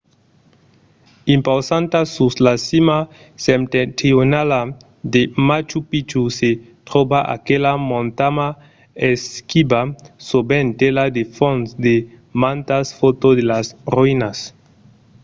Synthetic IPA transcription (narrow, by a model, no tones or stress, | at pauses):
impawsant̪asuslasima | semt̪et̪ɾionala | d̪emat͡ʃupit͡ʃuse | t̪ɾobaʔa̰kelamõnt̪ama | eskibasobent̪elad̪efõnsd̪e | mãnt̪asfot̪od̪elasruinas